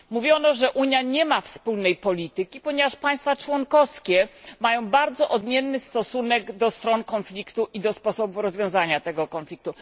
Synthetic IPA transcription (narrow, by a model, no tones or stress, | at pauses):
muvʲjɔnɔʐɛʔuɲjaɲɛmafspulnɛjpɔlʲit̪ɘkʲipɔɲɛvaʂpaj̃st̪fat͡ʂwɔŋkɔfskʲɛmajɔ̃w̃baɾd̪zɔʔɔd̪mʲjɛnːɘst̪ɔsunɛɡd̪ɔst̪ɾɔnkɔnflʲikt̪uʔid̪ɔspɔsɔbufɾɔzvjɔ̃w̃zaɲat̪ɛɡɔkɔnflʲik̚t̪u